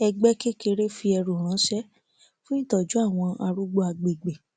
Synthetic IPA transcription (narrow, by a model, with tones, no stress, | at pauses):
ɛ˧ɡ͡bɛ˦ke˦ke˧ɾe˦fi˧ɛ˧ɾu˨ɾ̃ã˨˦ʃɛ˦ | fũ˦ĩ˦tɔ˨d͡ʒu˨˦a˦˨w̃ɔ̃˧a˧ɾu˦ɡ͡bo˦a˧ɡ͡be˨ɡ͡be˨